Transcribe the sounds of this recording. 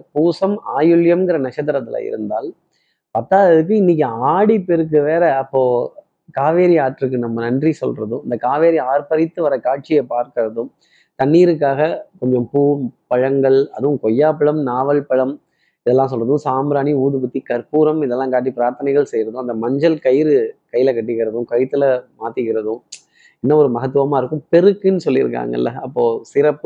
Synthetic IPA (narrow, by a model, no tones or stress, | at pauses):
puːsɐmaːjɯɭjɐmɡɪɾɐnɐt͡ʃːɐt̪ːɐɾɐt̪ːɪla̰ːɪ̰ɾɯnd̪aːl | pɐt̪ːaːʋɐðɯk̬ːɯɪnːɪk̬ʲːɯaːɽipːɛɾɯk̬ːɯʋeːɾɐɐpːoː | kaːʋeːɾiaːʈɾɯk̬ːɯnɐmːɐnɐndrisɔ̰lrɐðɯ̃ɪnd̪ɐkaːʋeːɾiaːɾpɐɾɪt̪ːɯʋɐɾɐkaːʈ̚t͡ʃɪjɐpaːɾkɪɾɐðɯ̃m | t̪ɐnːiːɾɯkːaːɣɐkɔɲd͡ʒɔ̃mpuːpɐɻɐŋɡɐɭɐ̰ðɯʊ̃mkɔjːaːpɐɻɐmnaːʋɐlpɐɻɐm | ɪðɛlːãːsɔlːrɐðɯ̃saːmɾaːniuːðɯpʊt̪ːikɐɾpuːɾɐmɪðɛlːãːkaːʈːipɪɾaːɾt̪ɐnɛɪɣɐɭsɛjɾɐðɯ̃ɐnd̪ɐmɐɲd͡ʒɐlkɐjɪɾɯkɐjːɪlɐkɐʈ̬ːɯɣɪɾɐðɯ̃kɐɻt̪ːɪlɐmaːt̪ɪɣɪɾɐðɯ̃ | ɛnːɐɔɾɯmɐɣɐt̪̬ːɯʋɐmaːɪɾɯkːɯ̃mpɛɾɯkːɪnːɯsɔlːɪɾɯ̰kːa̰ːŋɡɐ̰ɪ̰lːɐɐpːoːsɪɾɐpːɯ